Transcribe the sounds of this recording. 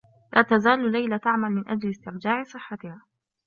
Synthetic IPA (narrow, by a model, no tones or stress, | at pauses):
lʔaːt̪azaːllːajlat̪aʕmalmɪnʔad͡ʒlɪst̪ɪɾd͡ʒaːʕsˤɨħːat̪ɪhaː